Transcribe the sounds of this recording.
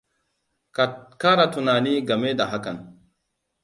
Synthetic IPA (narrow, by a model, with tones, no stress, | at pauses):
ka˦ɾa˨tu˨naː˨ni˦ɡa˨me˦da˨ɦa˦ka˨n